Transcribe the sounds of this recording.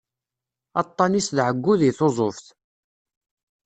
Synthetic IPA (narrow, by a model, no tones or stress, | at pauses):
ɑt̪ˤːɑnisðʕəɡːʊðiθozˤofθ